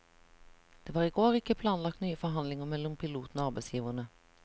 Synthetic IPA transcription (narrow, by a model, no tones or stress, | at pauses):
d̪̥eːʋɑːʁɪɡoːɾɪkːəpʰlɑːnlɑk̚t̪nyːəfɔɾɦɑnlɪŋəmɛlːɔmpʰɪluːt̪n̩oːɑʁbɛɪsjiːʋənə